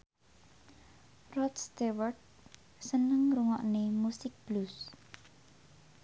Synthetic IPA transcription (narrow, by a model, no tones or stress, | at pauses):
rɔt̪st̪ewərd̚ | sənəŋɾuŋɔ̰ʔnemusɪk̚b̥lus